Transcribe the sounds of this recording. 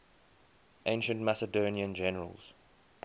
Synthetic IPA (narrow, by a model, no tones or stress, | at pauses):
ʔẽɪ̃nʃə̃ntmasədõːniə̃nd͡ʒɛnəɹə̰lˠz̥